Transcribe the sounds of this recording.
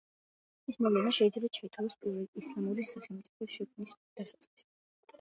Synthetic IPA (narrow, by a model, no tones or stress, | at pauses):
ismɔvlɛnaʃɛid̪zlɛbat͡ʃʰait̪ʰavɔspʼiɾvɛlislˠamuɾisaχɛlˠmt̪sʼipʰɔʃɛkʰmnisd̪̥asat̪sʼqʼi̥si̥